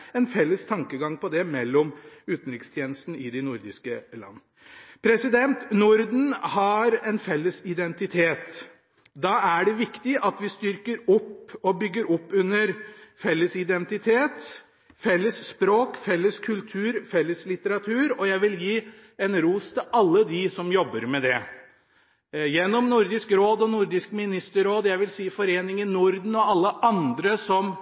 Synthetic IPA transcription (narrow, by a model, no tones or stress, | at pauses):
ɛnfɛlːəst̪ʰɑŋkəɡɑŋpʰɔd̪ɛmɛlːɔmʉːt̪n̩ɾɪkst̪ʰjeːnəst̪n̩ɪd̪ɪnʊɾd̪ɪskəlɑ̰nːə | pʰɾɛsɪd̪ɛnt̪nʊɾd̪n̩hɑɾɛnfɛlːəsɪd̪ɛnt̪ɪt̪ʰeːt̪ | d̪ɑæɖɛʋɪkt̪ɪʔɑt̪ʋɪst̪ʏɾkəɾɔpːɔbʏɡːəɾɔpːʉnːəɾfɛlːəsɪd̪ɛnt̪ɪt̪ʰeːt̪ | fɛlːəsːpɾoːkfɛlːəskʰʉlt̪ʰʉːɾfɛlːəslɪt̪əɾɑt̪ʰʉːɾɔjæɪʋɪljiː | ɛnɾuːst̪ʰɪʔɑlːəd̪ɪsɔmjɔbːəɾmɛd̪ɛ | jɛnːɔmnʊɾd̪ɪskɾoːd̪ɔnʊɾd̪ɪskmɪnɪst̪əɾoːd̪jæɪʋɪlsiːfɔɾeːnɪŋənnʊɾd̪n̩ɔɑlːəʔɑnd̪ɾəsɔm